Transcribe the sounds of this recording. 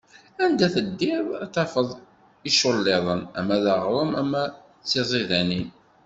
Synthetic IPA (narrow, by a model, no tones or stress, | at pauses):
ænd̪æθəd̪ːɪðæt̪ɑfəðˤ | iʃʊlːeðˤənæ̰mːæðɑʁɾˤəmæmːæ | t͡sːizˤiðænin